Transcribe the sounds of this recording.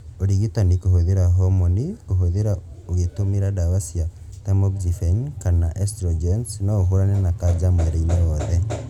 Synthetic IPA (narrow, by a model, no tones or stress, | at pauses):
oɾiɣitanikoɦoðeɾaɦɔmonikoɦoðeɾa | oɣetomiɾadawasja | tamoɡzifeɲkanaʔestɾɔd͡ʒensnɔːɦoɾanenakad͡ʒamweɾeineɾɔːðɛ